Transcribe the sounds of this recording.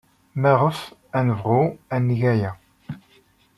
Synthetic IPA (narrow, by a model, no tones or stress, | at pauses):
mæʁəfænəvʁʊænːʝæjæ